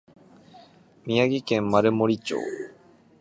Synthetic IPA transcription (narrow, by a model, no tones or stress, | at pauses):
mʲijaɡʲikẽmːaɾɯ̟moɾʲit͡ɕo̰ː